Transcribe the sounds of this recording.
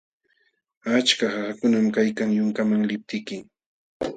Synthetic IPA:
at͡ʃkahahakʊnamkajkaŋjʊŋkamaŋlɪp̚t̪ɪkɪ

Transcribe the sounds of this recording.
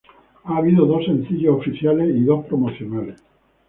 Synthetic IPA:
aːβ̞iðoðosẽn̟θiʎoofiθjalesiðospɾomoθjonales

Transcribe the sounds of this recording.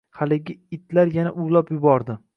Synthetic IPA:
halɪɡʲɪɪt̪ʰlaɾjanaʔʊlˠɒpjʊbɒɾd̪ɪ

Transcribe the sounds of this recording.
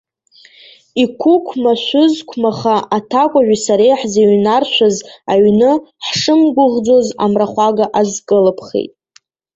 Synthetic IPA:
ikʷʰʊkʷʰmaʃʷʊzkʷʰmaχaatʰakʷʼaʒᶣʷasaɾejħzeɥnarʃʷazaɥnɨħʂɨmɡʷʊʁd͡zo̞za̰mraχʷaɡaʔazkʼɨlɨpʰχḛjtʼ

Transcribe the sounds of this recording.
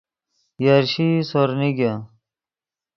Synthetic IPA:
jaɾɕisoɾniɡa

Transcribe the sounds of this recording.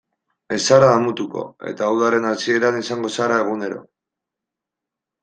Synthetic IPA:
e̞saɾaːmut̪uko̰e̞̰t̪aːwðaɾe̞nat͡sie̞ɾanisaŋɡo̞saɾae̞ɣ̞une̞ɾo̞̰

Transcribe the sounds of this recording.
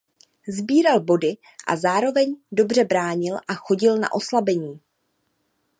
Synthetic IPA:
zbiːɾalbo̞dɪ | ʔa̰zaːɾo̞vɛɲdo̞br̝ɛbɾaːɲɪlʔaxo̞ɟɪlna̰ʔo̞slabɛɲiː

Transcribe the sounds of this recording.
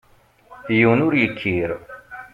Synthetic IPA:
junuɾjikʰiːɾo

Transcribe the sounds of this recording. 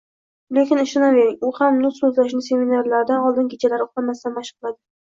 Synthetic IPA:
lekʲɪnɪʃɪnave̞ɾɪŋʊhamnʊsɵzlaʃ̬nɪse̞minaɾlaɾd̪anɒlˠd̪ɪnɡʲet͡ʃʰalaɾoχt̪amast̪anmaʃqʰlˠad̪ɪ

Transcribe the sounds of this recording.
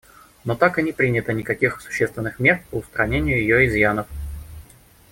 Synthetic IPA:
not̪akɨnʲɪpɾʲinʲɪt̪ənʲɪkɐkʲixsʊ̥ɕːest̪vʲɪnːɨxmʲe̞rpəʊst̪ɾɐnʲenʲɪjʊjɪjoɪzjanəf

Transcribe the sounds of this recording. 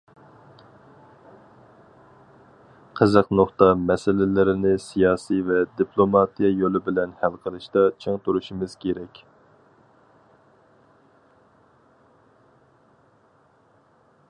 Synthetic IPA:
qʰəzəqnoχt̪ɑmɛsɪlɪlɪɾɪnɪsijɑːsivɛd̪ipʰlˠomɑt̪ijɛjolˠɪbɪlɛnhælˠqʰəɾˠɨʃt̪ɑt͡ʃʰeŋt̪ʰuɾuʃmɨz̥kʲeɾɛkʲ

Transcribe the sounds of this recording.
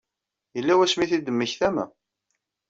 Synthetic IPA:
jəlːæwæsmiθid̪əmːəçθæmæ̰

